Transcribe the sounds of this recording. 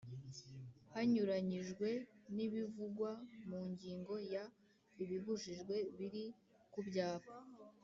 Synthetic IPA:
haɲuɾaɲiʒɡwe̞niβivuɡwamuːɲɟiːŋɡo̞ja | iβiβuʒiʒɡwe̞βiɾi | kubɟaːβa

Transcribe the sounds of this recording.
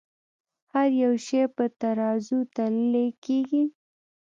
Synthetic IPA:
haɾjawʃepət̪aɾɑzut̪allekeɡi

